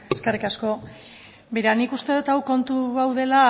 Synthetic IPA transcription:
eskerikasko̞ | beɾanikust̪e̞ðut̪awko̞nt̪uɣawð̞e̞la

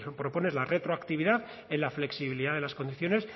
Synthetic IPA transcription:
pɾo̞po̞ne̞zlare̞t̪ɾoakt̪iβiðaθ | e̞nlafle̞ksiβiliðaðelasko̞nd̪iθjo̞ne̞s

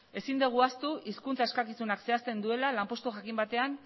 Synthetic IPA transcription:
e̞sind̪eɣ̞uast̪uʔiskunt͡saeskakisunakse̞ast̪e̞nd̪ue̞lalampo̞st̪uʝakimbat̪e̞an

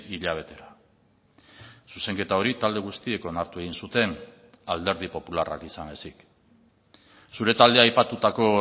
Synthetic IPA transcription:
iʎaβ̞e̞t̪e̞ɾa | suse̞ŋke̞t̪ao̞ɾit̪ald̪e̞ɣ̞ust̪ie̞ko̞naɾt̪ue̞ɣinsut̪e̞n | ald̪e̞ɾð̞ipo̞pulara̰kisanesik | suɾe̞t̪ald̪eajpat̪ut̪ako̞

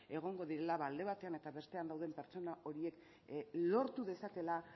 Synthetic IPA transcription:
e̞ɣ̞o̞ŋɡo̞ðiɾe̞laβald̪e̞βat̪e̞ane̞t̪aβe̞st̪e̞and̪awð̞empe̞ɾt͡so̞naʔo̞ɾie̞k | lo̞ɾt̪uðe̞sake̞la

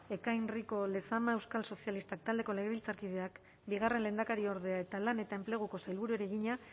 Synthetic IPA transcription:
e̞kajnriko̞le̞samae̞wskalso̞sialist̪ak̚t̪ald̪e̞ko̞le̞ɣeβilt͡saɾkið̞e̞ak | biɣ̞are̞nle̞ːnd̪akaɾio̞ɾð̞e̞ae̞t̪alane̞t̪aemple̞ɣ̞uko̞sajlβuɾue̞ɾeɣiɲa

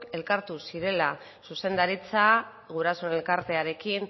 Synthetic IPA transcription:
ke̞lkaɾt̪usiɾe̞la | suse̞nd̪aɾit͡sa | ɣuɾasone̞lkaɾt̪e̞aɾe̞kin

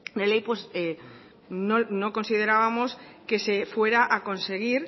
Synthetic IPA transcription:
d̪elejpwese | nonokonsið̞e̞ɾaβamoskesefweɾaʔako̞nse̞ɣ̞iɾ

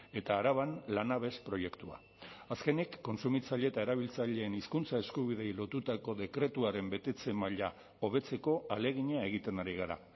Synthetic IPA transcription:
e̞t̪aːɾaβ̞anlanaβ̞e̞spɾo̞je̞kt̪ua̰ | aske̞nikːo̞nsumit͡saʎe̞t̪ae̞ɾaβ̞ilt͡saʎe̞ːniskunt͡sae̞skuβiðe̞jlo̞t̪ut̪ako̞ðe̞kɾe̞t̪uaɾe̞mbe̞t̪e̞t͡se̞maʎa | o̞β̞e̞t͡se̞ko̞ale̞ɣiɲae̞ɣ̞it̪e̞naɾiɣ̞aɾa̰

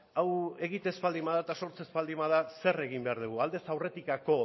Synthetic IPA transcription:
awe̞ɣit̪ezpald̪imaðat̪aso̞ɾt͡sezpald̪imaðase̞re̞ɣimbe̞aɾðuɣ̞uald̪e̞sawre̞t̪ikako̞

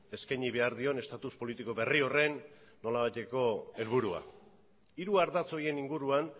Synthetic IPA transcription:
e̞skajɲiβe̞aɾðio̞ne̞st̪at̪uspo̞lit̪iko̞βe̞rio̞re̞nː | o̞laβajt̪e̞ko̞e̞lβ̞uɾua̰ | iɾuaɾðat͡so̞je̞niŋɡuɾuan

